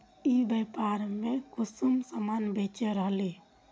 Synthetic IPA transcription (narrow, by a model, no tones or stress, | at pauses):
ibeːpaːɾmẽkʊsumsəmaːnbʱeːt͡ʃeɾəɦleː